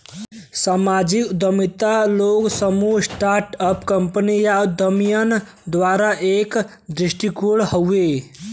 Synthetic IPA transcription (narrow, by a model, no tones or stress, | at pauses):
samad͡ʒikd̪əmit̪aloɡsəmusʈaɾʈəpkəmpənijad̪əmijən | d̪ʋaɾaʔek | d̪ɾisʈikuɽhəwe